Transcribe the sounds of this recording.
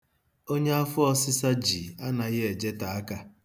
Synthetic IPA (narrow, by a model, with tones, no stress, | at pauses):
o˦ɲe˦a˦fʊ˦ɔ˦sɪ˦sa˦d͡ʒi˨a˦na˨ɣɪ˦e˨d͡ʒe˦ta˨a˦ka˦